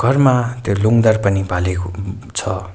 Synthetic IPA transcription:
ɡ̥ʱʌrmat̪joluŋd̪ʌrpʌnibʱaleko | t͡sʰʌ

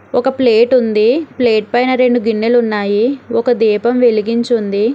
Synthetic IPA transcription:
ɔkɐpleːʈund̪ipleːʈ̚pɐjnɐɾe̞ɳɖuɡiɳːelunːaːjiɔkɐd̪iːpɐmʋe̞liɡiɲt͡ʃund̪i

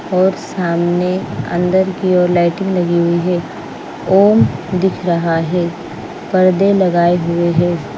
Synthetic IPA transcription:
ɔːɾsaːmneɐ̰̃nd̪əɾkiɔːɾlaːɪʈɪ̃ŋɡlɐɡiɦʊiɦɛː | oːmd̪ɪkʰɾɐɦaɦɛː | pɐɾd̪elɐɡaːeɦʊeɦɛː

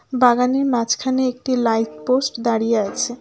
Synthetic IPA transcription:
baɡaneɾmat͡ɕʰkʰaneek̚ʈilajt̪posʈd̪aɽijeat͡ɕʰe

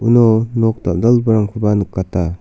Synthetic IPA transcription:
unɔnɔk̚ta̰p̚dalbɯɾamkʰɯbanukːata

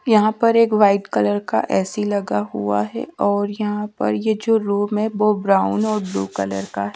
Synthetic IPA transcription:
jɐɦãpɐɾeːkʋaːɪʈkɐləɾka̰ʔɛːsilɐɡaɦṵa̰ɦɛ̰ɔːɾjɐɦãpɐ̰ɾjed͡ʒoːɾuːmɦɛ̃boːbɾaːʊnɔːɾblṵːkɐlə̰ɾkaɦɛ

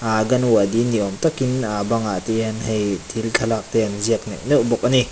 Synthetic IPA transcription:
aɡɐnwadiniɔmtakinabaŋat̪ianɦɛjtʰilt̪ʰalak̚tejanziək̚naʔnuʔbɔk̚ani

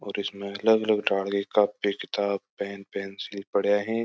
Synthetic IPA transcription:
ɔːɾɪsmẽɐləɡɐləɡɖaːɽɡekabpikɪt̪aːb̚pɛːnpɛːnsɪlipɐɽ̤jaɦɛː

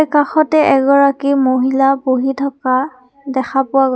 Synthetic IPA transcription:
kaxɔtɛʔɛɡɔɹakimoɦilaboɦitʰɔka | dɛxapʊwaɡ

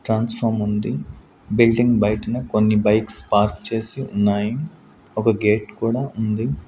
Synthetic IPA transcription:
ʈɾaːnspʰɐɾmund̪i | bilɖiŋɡbɐjʈɐnɐkonːibɐjkspaːɾkt͡ʃe̞ːsiunːaːji | ɔkɐɡe̞ːʈkuːɽaːʔund̪i

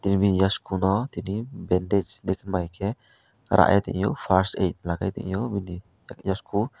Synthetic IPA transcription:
t̪inibijaskunɔt̪inibɛndɛd͡ʒd̪ɛkʰnmajkʰɛ | ɾa̰ʔjat̪ɛ̰ʔjɔpʰaɾsḛjt̪̚laka̰jt̪ɛ̰ʔjɔbini | jaskʰu

